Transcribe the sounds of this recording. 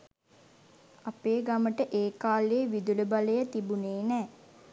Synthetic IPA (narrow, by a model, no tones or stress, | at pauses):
apeːɡaməʈəʔeːkaːleːʋid̪uləbaləjət̪ibuneːnɛː